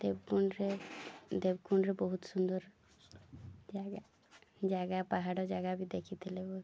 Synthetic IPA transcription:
d̪ebkuɳɾed̪ebkuɳɾebɔɦut̪sund̪ɔɾ | d͡ʒaɡa | d͡ʒaɡapaɦaɽɔd͡ʒaɡabid̪ekʰit̪ʰilebo

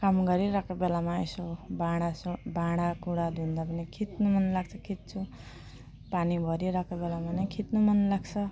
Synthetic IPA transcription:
kamɡʌɾiɾakabelamaḛsobãɽasobãɽapuɽad̪ʱund̪apʌnikʰit̪nomʌnlaɡt͡sʰʌkʰit̪̚t͡sʰu | panibʱʌɾiɾakobelamanʌkʰit̪nomʌnlaɡt͡sʰʌ

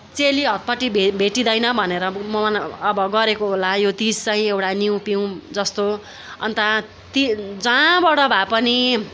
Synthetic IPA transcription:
t͡seliɦʌt̪̚pʌʈibbʱeʈid̪ʌjnʌbʱʌneɾʌmʌːbʌɡʌɾekoɦolajot̪ist͡saĩewʈaniw̃piw̃d͡zʌst̪o | ʌ̰nt̪a | t̪id͡zãbʌɽʌbʱapʌni

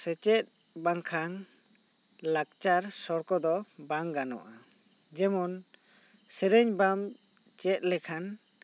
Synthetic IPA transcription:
sɛt͡ʃɛt̚ | baŋkʰaŋ | lak̚t͡ʃaɾsɔɾkɔd̪ɔbaŋɡanɔ̰ʔa | d͡ʒɛmɔn | seɾeɲbam | t͡ʃɛt̚lɛkʰan

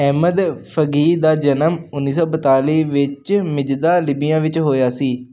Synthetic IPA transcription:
ɛːməd̪pʰəɡiːd̪aːd͡ʒənəmʊnːiːsɔːbət̪aːliːʋɪt͡ʃmɪd͡ʒd̪aːlɪbɪjãːʋɪt͡ʃɦoːjaːsiː

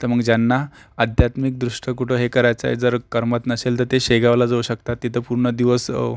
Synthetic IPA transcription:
t̪əɾməɡd͡ʑjanːaəd̪ʱjat̪mik̚d̪ɾuʂʈəkuʈʰəɦekəɾajt͡sa̰ḛd͡zəɾkəɾmat̪nəselt̪əɾt̪eɕeɡaʋlad͡zəuɕək̚t̪at̪ːit̪ʰəpuɾɳəd̪iʋəs

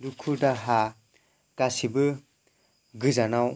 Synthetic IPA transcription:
dukʰudaɦa | ɡ̥asibɯ | ɡɯzanaw

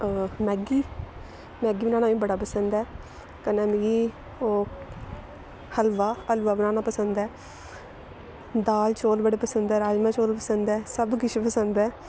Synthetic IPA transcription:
mɛːɡiː | mɛːɡiːbɪnãːnaːĩːbəɽaːpəsənd̪ɛː | kənẽːnɡiː | oː | həlʋaːəlʋaːbɪnãːnaːpəsənd̪ɛː | d̪aːlt͡ʃoːlbəɽeːpəsənd̪ɛːɾaːd͡ʒmãːt͡ʃoːlpəsənd̪ɛːsəbkɪt͡ʃʰepəsənd̪ɛː

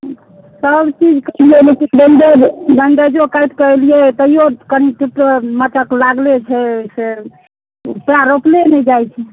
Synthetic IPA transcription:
səbt͡ʃid͡ʒkəliɛlekiɖəɳɖeɖəɳɖəd͡ʒokajt̪kəliɛt̪əijokəniʈuʈɾəməʈ̪əklaɡlet͡ʃʰɛse | upɾaɾoplenɛd͡ʒajt͡ʃʰɛ

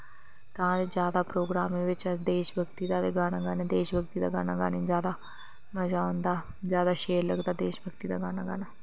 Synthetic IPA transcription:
t̪ãːd̪eːd͡ʒjaːd̪aːpɾoːɡɾaːmẽːʋɪt͡ʃəsd̪eːʃbəkt̪iːd̪aːd̪eːɡaːnaːɡaːnẽːd̪eːʃbək̚t̪iːd̪aːɡaːnaːɡaːnẽːzjaːd̪aː | məd͡ʒaːõnd̪aː | zjaːd̪aːʃeːɾləɡd̪aːd̪eːʃbəkt̪iːd̪aːɡaːnaːɡaːnaː

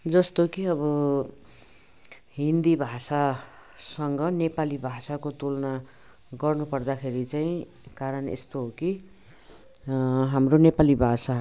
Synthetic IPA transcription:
d͡zʌst̪okiʌbʌ | ɦind̪ibʱasasʌŋɡʌnepalibʱasakot̪ulna | ɡʌrnupʌrd̪akʰeɾit͡saĩ | kaɾʌnḛst̪oɦoki | ɦamronepalibʱasa

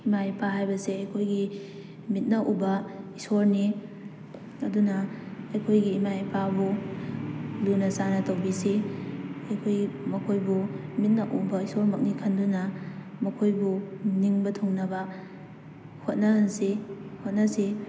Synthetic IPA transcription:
imapaɦajbɐseɐjkʰojɡi | mit̚nɐʔubɐisoɾni | ɐdunɐɐjkʰojɡiːmajpabu | lunɐsanɐtɐwbise | ɐjkʰojɡimɐkʰojbumit̚nɐʔubɐisoɾmɐk̚nikʰɐndunɐ | mɐkʰojbuniŋbɐtʰoŋnɐbɐ | hot̚nɐhansehot̚nɐse

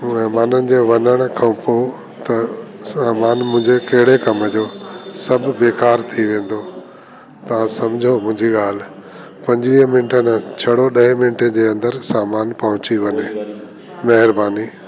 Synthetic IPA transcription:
mɐɦmaːnənɪ̆d͡ʑeːʋɐnəɽ̃ʊkʰãpo | t̪ɐsaːmaːnmʊ̃ɦɪ̃ɲd͡ʑekɐɦɪɽekɐməd͡ʑoːsɐbʱɪ̆beːkaːɾt̪ʰiʋẽːn̆d̪oː | t̪ɐʋ̤ãsɐmd͡ʑʱomʊ̃ɪ̃ɲd͡ʑiɠaːl̤ɪ | pɐ̃ɲd͡ʑʋiːɦə̃mɪnʈənt͡ɕʰɐɽ̤oɗɐɦẽmɪnʈə̃d͡ʑeːɐ̃nd̪əɾsaːmaːnpɐɦʊ̃t͡ɕiʋɐne | mɐɦɪɾbaːniː

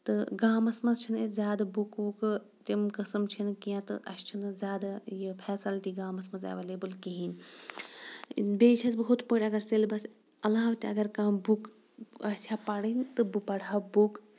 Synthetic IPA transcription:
t̪ɨɡaːmɐsmɐzt͡ʃʰinezʲjaːd̪abukuk | t̪ʲimkɐsɐmt͡ʃʰinkijãt̪ɨ̰ʔɐ̰st͡ʃʰinzʲjaːd̪ajipʰɛːsɐlʈiɡaːmɐsmɐzɐ̰ʋeleːbɨlkiɦin | bet͡ʃʰɐsbɐɦut̪poːʈʲɐɡɐɾselbɐs | ɐlaːʋt̪ʲiɐɡɐɾkãːbuk | ɐsʲaːpɐɽint̪ɨbupɐɽabuk

